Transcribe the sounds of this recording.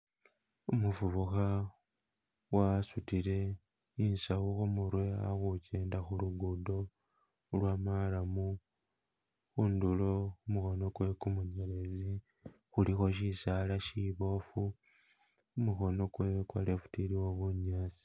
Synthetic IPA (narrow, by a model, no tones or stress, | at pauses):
umufuβuxa | wasutiɾe̞ | insawuxumuɾwe̞a̰xuceːndaxuluɡudo̞ | lwamalamu | xunduloumuxo̞no̞kwe̞kumuɲelezi | xulixo̞ʃisalaʃiβo̞fu | umuxo̞no̞kwekwa̰le̞fu̥tiɾiwo̞βuɲasi̥